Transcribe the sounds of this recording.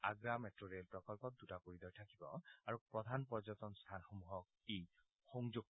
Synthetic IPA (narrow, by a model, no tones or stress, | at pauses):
aɡɹamɛtɹoɹelpɹɔkɔlpɔt̚d̪utakoɹid̪ɔɹtʰakibɔ̰aɹupɹɔd̪ʱanpɔɹzɔt̪ɔnst̪ʰanxomuɦɔk̚ej | xɔŋzuɡ̚